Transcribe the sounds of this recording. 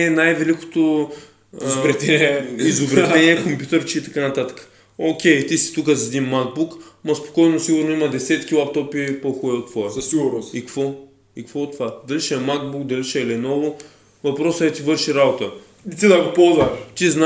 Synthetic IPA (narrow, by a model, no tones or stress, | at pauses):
ɛnajvɛliko̥t̪o | bɾɛt̪ɛnɛizobɾɛt̪ɛniɛkompʲjut̪ɛɾt͡ʃiːt̪ɐkanɐt̪at̪ə̥kə̥ | okʲɛjt̪isi̥t̪ukəzɛd̪inmaɡ̚bukmɐspo̥kɔjnosiɡʊɾnoimɐd̪ɛsɛt̪kʲilˠap̚t̪ɔpipoxɔɛot̪ːvɔɛzsiɡʊɾnsikɐkvɔ | ikɐkvoot̪ːvad̪ɐliʃɛɛmaɡbukd̪ɐliʃɛɛlɛnɔvʊ | vɐpɾɔsəɛt̪ivɤɾʃiɾabot̪ə | it̪id̪ɐɡopɔlˠzvɐʃt͡ʃ̪izna